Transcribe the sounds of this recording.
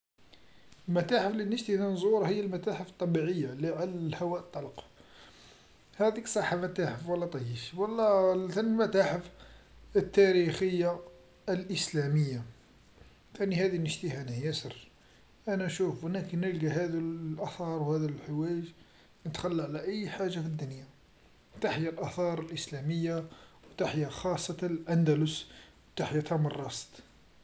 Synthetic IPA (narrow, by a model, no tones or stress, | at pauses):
lmæt̪aħəflinəʃt̪əhnænzˤuɾˤhəjːəlmæt̪aħəft̪ˤːɑbiʕəjːaliʕalælhawæʔət̪ˤːɑlq | hæd̪iksˤɑħːamæt̪aħəfwəlːæt̪ˤɑjiʃwɑlːɑt̪ænlmæt̪aħəfət̪ːæɾixəjːa | əlʔəslæməjːa | t̪ænihæd̪inəʃt̪əhænæhjæsər | ʔænæʃufwənækənəlɡæhæd̪əʔɑθɑɾˤwhæd̪ælħəwæjəʒ | nət̪xælːʕlæʔəjːħaʒːafid̪ːʊnja | t̪aħjalʔɑθɑɾˤəlʔəslæməjːawt̪aħjaxɑsˤːɑt̪lʔænd̪ælʊswt̪aħjat̪ɑmərˤːɑst̪